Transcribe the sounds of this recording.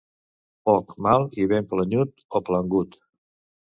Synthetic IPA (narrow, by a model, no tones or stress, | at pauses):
pɔkmalˠiβempləɲut̪opləŋɡut̪